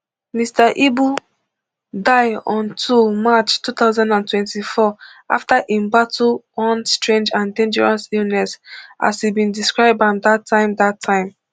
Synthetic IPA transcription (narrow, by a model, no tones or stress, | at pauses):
mistaʔibu | daɪɔ̃ntʰumat͡ʃtuθaʊzãndãntwɛ̃ntifɔa̰ftaʔĩmbatuɔ̃nstɹẽnd͡ʒãndẽnd͡ʒɛɹasilnɛsa̰sibĩndiskɹaɪb̚ãmdatʰːãɪ̃mdatʰːãɪ̃m